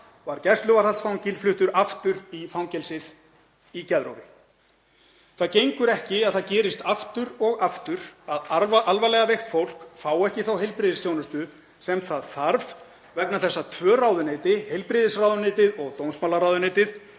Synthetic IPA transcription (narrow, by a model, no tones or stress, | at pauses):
vaɾcɛst̪lʏvaɾ̥alsfawncɪlflʏht̪ʏɾaft̪ʏɾifawŋcɛlsɪð | icɛðɾo̰wvɪ | θaðcejŋkʏɾɛhcɪaðθaðcɛːɾɪst̪aft̪ʏɾɔɣaft̪ʏɾ̥aðʔalvalɛɣavejxt̪fowl̥kfaːwɛhcɪθawɦejlpɾɪðɪsθjownʏst̪ʏ | sɛmθaðθaɾv̥ | vɛknaθɛsːat̪ʰvœːrawðʏneːt̪ɪhejlpɾɪːðɪsrawðʏneːt̪ɪðɔɣt̪ownsmaːlaɾawðʏneːjt̪ɪð